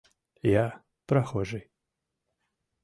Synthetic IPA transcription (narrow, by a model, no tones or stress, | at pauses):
ja | pɾaxɔʐɨj